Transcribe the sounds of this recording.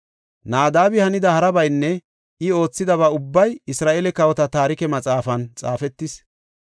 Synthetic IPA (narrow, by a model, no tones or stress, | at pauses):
naːd̪aːbɪhɐnɪd̪ɐhɐɾɐbɐjnːɛ | ʔɪo̞ːt͡sːɪd̪ɐβaːʊbːɐjɪsɾaːʔeːlɛkɐwɔt̪ɐt̪aːɾɪkɛmɐt͡sʼaːfɐnt͡sʼaːfɛt̪ːɪs